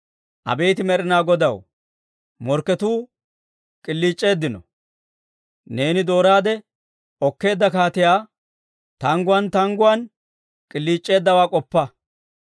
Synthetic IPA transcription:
ʔɐ̰bejt̪ɪmɛɾɪnaːɡɔd̪ɐw | mɔɾkːɛt̪uː | kʼɪlːiːt͡ʃʼːe̞ːd̪ːɪnɔ | ne̞ːnɪd̪o̞ːɾaːd̪ɛ | ɔkːe̞ːd̪ːɐkaːt̪ɪjaː | t̪ɐŋɡʊwɐnt̪ɐŋɡʊwɐn | kʼɪlːiːt͡ʃʼːe̞ːd̪ːɐwaːkʼɔpːɐ

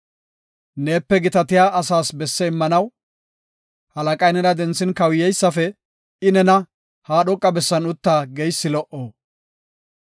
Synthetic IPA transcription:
ne̞ːpːɛɡɪt̪ɐt̪ɪjaːɐsaːsbɛsːɛɪmːɐnɐw | hɐlɐkʼɐjnɛɾɐd̪ɛnsɪnkɐwjɛjsːɐfɛ | ɪnɛnɐ | haːɗɔkʼːɐbɛsːɐnʊt̪ːaːɡejsːɪlɔʔoː

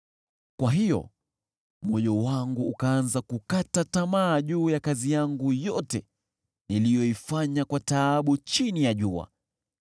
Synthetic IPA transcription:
kwaɦijɔ̰ | mɔjɔwaŋɡuːkaanzakukatatamaːʄuːjakazijaŋɡujɔtɛ | nilijɔifaɲakwataːɓut͡ʃinijaʄua̰

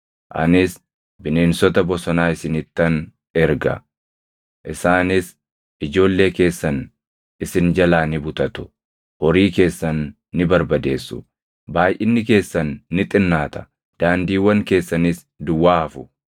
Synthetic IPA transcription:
ʔɐ̰nɪs | bɪne̞ːnsɔt̪ɐbɔsɔnaːɪsɪnɪt̪ːɐn | ɛɾɡɐ̰ | ʔɪsaːnɪs | ɪd͡ʒo̞ːlːe̞ːke̞ːsːɐn | ɪsɪnd͡ʒɐlaːnɪbʊt̪ɐt̪ʊ̥ | ɔɾiːke̞ːsːɐnː | ɪbɐɾbɐd̪e̞ːsːʊ̰ | baːjʔɪnːɪke̞ːsːɐnːɪt̪ʼɪnːaːt̪ɐ̥ | d̪̥aːnd̪iːwːɐŋke̞ːsːɐnɪs | d̪ʊwːaːhɐfʊ

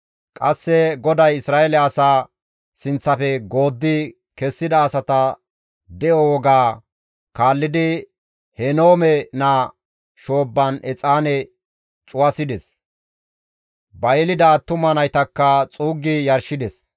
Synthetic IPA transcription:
kʼɐsːɛɡɔd̪ɐjɪsɾaːɛlɛɐsaː | sɪnt͡sːɐfɛɡo̞ːd̪ːɪ | kɛsːɪd̪ɐːsɐt̪ɐ | d̪ɛjɔwɔɡaː | kaːlːɪd̪ɪ | hɛnoːmɛnɐ | ʃo̞ːbːɐnʔɛt͡sʼaːnɛ | t͡ʃʼʊwɐsɪd̪ɛs | bɐjlɪd̪at̪ːʊmɐnɐjt̪ɐkːɐt͡sʼuːɡɪjɐɾʃɪd̪ɛs

